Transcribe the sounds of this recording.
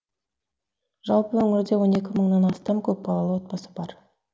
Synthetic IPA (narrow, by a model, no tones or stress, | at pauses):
ʒ̥ɑlˠpəwɵŋʲɪɾd̪e̞wo̞ne̞kʲɪməɴnɑnɑst̪ɑmkʲʰɵp̚bɑlˠɑlˠəwo̞t̪̚pɑsəbɑɾ